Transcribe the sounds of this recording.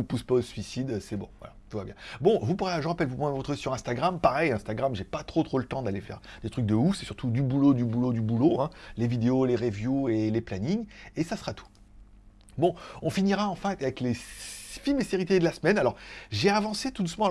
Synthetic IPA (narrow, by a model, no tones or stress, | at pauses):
upuspaosɥisid̪øsɛbɔ̰̃vwa̰la̰t̪uvabjɛ̃bɔ̃vupuʁɛʒəʁapɛlvumɛ̃vɔt̪χəisyʁɛ̃st̪aɡʁampaʁɛjɛ̃st̪aɡʁamʒepat̪χot̪χolət̪ɑ̃d̪alefɛ̰ʁd̪̥et̪χyk̚d̪əufsɛ̥syʁt̪ud̪ybulod̪ybulod̪ybuloɛ̃levid̪eoleʁevjueleplaniɲesasχat̪ʰu̥ | bɔ̃ɔ̃finiʁaɑ̃fɛ̃avɛklefimeseʁit̪ed̪əlasmɛnalɔʁʒeavɑ̃set̪ud̪usmɑ̃